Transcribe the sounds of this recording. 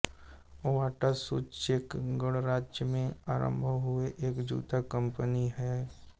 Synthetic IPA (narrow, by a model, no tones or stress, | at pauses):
ʋaːʈasuːt͡ʃʃekɡəɽɾaːd͡ʒjəmẽaːɾə̰̃mbʱəɦʊeʔeːkd͡ʒṵːt̪akə̃mpəniɦɛ